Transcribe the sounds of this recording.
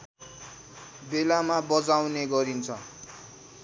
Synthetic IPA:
belamabʌd͡zawneɡʌɾint͡sʰʌ

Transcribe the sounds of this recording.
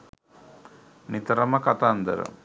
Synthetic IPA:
nit̪ɐɾɐmɐkat̪and̪ə̰ɾə̰

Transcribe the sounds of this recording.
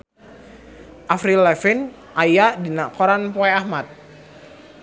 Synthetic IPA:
ʔafɾilɛfin | ʔajadinakɔɾanpɔɛahmat̪̚

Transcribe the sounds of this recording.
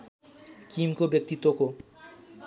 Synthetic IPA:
kimkobek̚t̪it̪ːoko

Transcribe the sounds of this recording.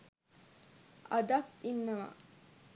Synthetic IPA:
ɐd̪akinːɐʋa̰

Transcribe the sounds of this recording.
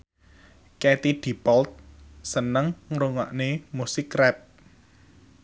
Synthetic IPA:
kɛt̪id̪̥i̤pɔlt̪̚sənəŋŋɾuŋaʔnemusɪkːrɛp̚

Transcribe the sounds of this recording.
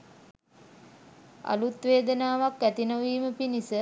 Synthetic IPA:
a̰lut̪ʋeːd̪ənaːʋakʋæt̪inəʋiːməpinisə

